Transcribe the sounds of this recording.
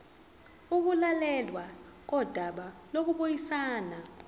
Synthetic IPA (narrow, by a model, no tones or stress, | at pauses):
uk̬ulalɛlwa | k̬ɔd̥ʱaɓalok̬uɓojisaːna